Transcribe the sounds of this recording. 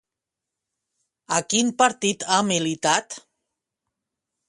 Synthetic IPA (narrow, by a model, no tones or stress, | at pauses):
akimpaɾt̪it̪ʰamilit̪at̪